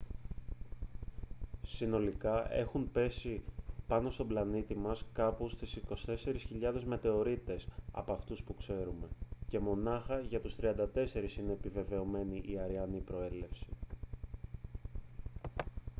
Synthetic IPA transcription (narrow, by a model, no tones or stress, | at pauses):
sino̞likɐʔe̞xumpe̞sipɐno̞st̪o̞blɐnit̪imɐskɐpust̪isiko̞st̪e̞se̞ɾisçiʎɐðe̞zme̞t̪e̞o̞ɾit̪e̞sɐ̰poɐft̪uspukse̞ɾume̞ce̞mo̞nɐxɐʝɐt̪ust̪ɾiɐnd̪ɐt̪e̞se̞ɾisine̞ːpive̞ve̞o̞me̞niʔiɐɾiɐnipɾo̞e̞le̞fsi̥